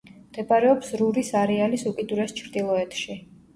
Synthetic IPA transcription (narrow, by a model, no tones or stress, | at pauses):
md̪̥ɛbaɾɛɔpsɾuɾisaɾɛalisukʼid̪uɾɛst͡ʃʰɾd̪ilˠɔɛt̪ʰʃi